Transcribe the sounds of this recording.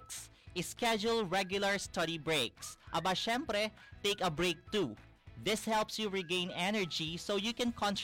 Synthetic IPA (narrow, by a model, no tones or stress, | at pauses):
ks | ɪskɛd͡ʒʊlˠɹɛɡjʊlɐɹst̪ʌdibɹeɪksʔɐbaʃɛ̃mpɾɛt̪eɪkɐbɹeɪk̚t̪u | ðɪshɛlpsjuɹiɡẽɪ̃nɛnɛɹd͡ʒisowjukɛ̃nkʰɔ̃nt